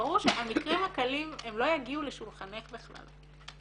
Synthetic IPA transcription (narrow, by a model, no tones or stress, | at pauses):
ʁuʁʃeamikʁimhakalime̞mlo̞jaɡiuleʃulχane̞χbeχla̰l